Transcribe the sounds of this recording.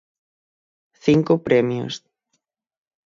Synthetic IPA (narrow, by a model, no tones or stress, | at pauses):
θiŋkopɾemjo̰s